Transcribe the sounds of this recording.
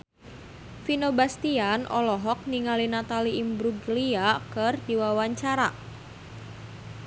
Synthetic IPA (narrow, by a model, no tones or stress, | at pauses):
finobast̪ianʔɔlɔɦɔk̚niŋalinat̪aliʔimbɾuɡliakərdiwawaɲt͡ʃaɾa